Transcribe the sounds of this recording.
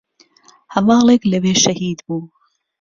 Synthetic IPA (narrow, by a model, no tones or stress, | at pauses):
hɐmɑːlˠeklɐweːʃɐhiːd̪buː